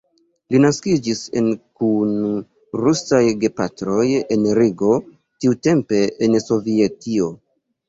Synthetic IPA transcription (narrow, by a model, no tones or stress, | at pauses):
linaskid͡ʒise̞̰nkun | ɾusajɡe̞patɾo̞je̞nɾiɡo̞ | tiute̞mpe̞ʔenso̞vietio̞